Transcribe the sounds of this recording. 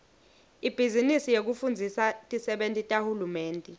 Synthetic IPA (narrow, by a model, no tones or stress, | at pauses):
ib̥ʱizinisijek̬ufund͡zʱisatʼisɛɓentʼitʼahulumeːntʼɛ